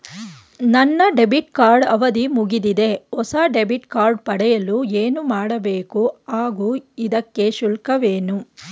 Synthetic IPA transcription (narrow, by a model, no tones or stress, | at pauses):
nɐnːɐɖebiʈkaːɾɖɐʋɐd̪imuɡid̪id̪e̞ɔsaːɖebiʈkaːɾɖ̚pɐɽɛjɐlueːnumaːɽɐbeːkuaːɡuːid̪ɐkːe̞ʃulkɐʋeːnu